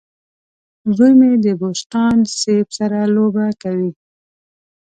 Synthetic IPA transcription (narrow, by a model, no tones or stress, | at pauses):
ɣujmed̪əbost̪ɑnsebsaɾalobakawi